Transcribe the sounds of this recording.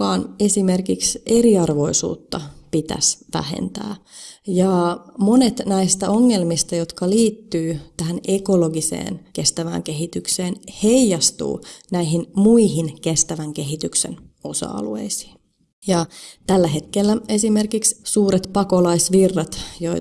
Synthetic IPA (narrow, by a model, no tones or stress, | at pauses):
ɑːnesimerkikseɾiɑrʋo̞isṵːt̪ːɑpit̪æ̰sʋæ̰hḛnt̪æ̰ːjɑmo̞net̪næist̪æoŋːe̞lmist̪ɑjot̪kɑliːt̪ːyːt̪æhænekoloɡisḛːnke̞st̪æʋæ̰ːŋkeɦit̪ykseːnheijjɑst̪ṵːnæiɦinmuiɦinkest̪æʋæŋkeɦit̪yksḛno̞sɑ̰ɑ̰luḛisi̥ː | jɑt̪ælːæɦe̞t̪kelːæe̞simerkikssuːɾet̪pɑkolɑisʋirːɑt̪joi